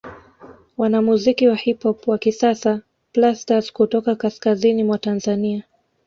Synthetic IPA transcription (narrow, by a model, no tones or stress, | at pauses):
wanamuzikiwahiphɔpwakisasa | plastazkutɔkakaskazinimwatanzania